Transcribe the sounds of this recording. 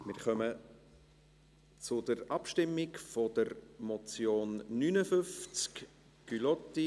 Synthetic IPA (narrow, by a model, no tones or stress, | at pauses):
mɪɾχœmə | t͡sʊdəɾɑpʃtɪmːɪkfɔd̥əɾmɔt͡sjoːnːynəfʏft͡sk | kylɔti